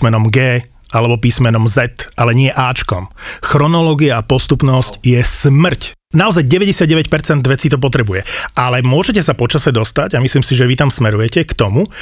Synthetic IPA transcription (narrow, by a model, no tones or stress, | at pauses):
mɛnɔmɡɛː | alɛbɔpiːsmɛnɔmzɛt̪alɛɲɪɛʔaːt͡ʃkɔ̰mxɾɔnɔlɔːɡiaːpɔst̪upnɔscjɛsmr̩c | naɔzajɟɛʋɛɟɛsɪad̪̚ɟɛʋɛcpɛɾt͡sɛnd̪ʋɛt͡sit̪ɔp̬ɔt̪ɾɛbujɛʔalɛmʊɔʒɛcɛsapɔt͡ʃasɛd̪ɔst̪aɟamisliːmsiʒɛʋit̪amsmɛɾujɛcɛkt̪ɔmu